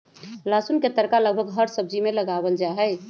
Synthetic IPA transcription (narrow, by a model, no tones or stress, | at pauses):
lasunket̪əɾkaləɡ̚bʱəɡɦəɾsəb̚d͡ʒimeləɡabəld͡ʒaɦɛ